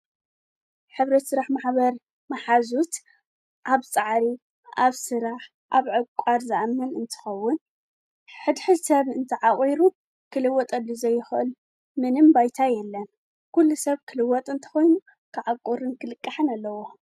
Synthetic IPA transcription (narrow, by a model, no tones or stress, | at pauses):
ħɨβɾɐt̪sɨɾaħmaħbɐɾ | maħazut̪ | ʔaβt͡sʼaʕɾi | aβsɨɾaħ | ʔaβʕɨkʷʼaɾzɨʔamːɐnɨnt̪ʰɨ̥xɐwːʊn | ħɨd̪ħɨsɐβɨnt̪ʰɨʕaχʼiɾu | kʰɨlɨwɔt̪ʼɐlːuzɐjːɪxʔɨ̰l | mɨnɨmbajt̪ʰajɛlːɐn | kʰulːusɐβkʰɨlɨwːɔt̪ʼɨnt̪ʰɨ̥xo̞jnu | kʰɨʕakʼuɾɨnkʰɨlɨkʼːaħɨnalːɐwo̞